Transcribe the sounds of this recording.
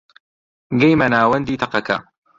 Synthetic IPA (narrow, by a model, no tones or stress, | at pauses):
ɡɐjmɐnaːwɐnd̪iːt̪ʰɐqɐkɐ̰